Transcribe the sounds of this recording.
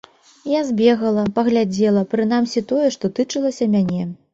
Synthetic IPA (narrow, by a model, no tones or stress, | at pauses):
jazʲbʲɛɣɐlˠɐpɐɣlʲad͡zʲɛlˠɐpɾɨn̪amsʲit̪ɔjɛʂt̪ɔt̪ɨt͡ʂɨlˠɐsʲɐmʲanʲɛ